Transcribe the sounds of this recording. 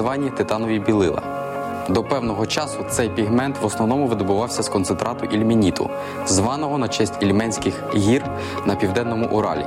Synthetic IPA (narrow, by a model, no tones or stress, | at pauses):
ʋɑnʲːit̪ɪt̪ɑnɔʋʲibʲilˠɪlˠɐ̰ | d̪ɔpɛwnɔɦɔt͡ʃɑsʊt̪sɛjpʲiɦmɛnt̪ʋɔsnɔʋnɔmʊʋɪd̪ɔbʊʋɑwsʲɐskɔnt̪sent̪ɾɑt̪ʊʔilʲmʲinʲit̪ʊ̰ | zʋɑnɔɦɔnɐt͡ʃɛsʲtʲilʲmɛnʲsʲkɪxɦʲir | nɐpʲiwd̪ɛnːɔmʊʔʊɾɑ̰lʲḭ